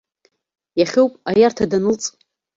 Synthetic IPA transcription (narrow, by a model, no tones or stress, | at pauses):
jaχʲɪwpʼajartʰadanɨlt͡sʼ